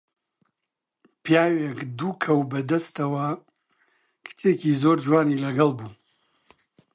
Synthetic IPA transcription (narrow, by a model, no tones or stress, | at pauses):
pjaːwekd̪ukʰɐwbɐd̪ɐst̪ɐwɐ | kʰɨ̥t͡ʃeːcizoɾd͡ʒwaːnilɐɡɐlˠbuː